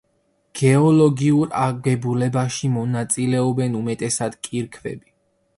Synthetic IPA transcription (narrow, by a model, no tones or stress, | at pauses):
ɡ̥ɛɔlɔɡiuɾa̰ɡɛbulɛbaʃimɔnat̪sʼilɛɔbɛnumɛt̪ʼɛsad̪kʼiɾkʰvɛ̰bi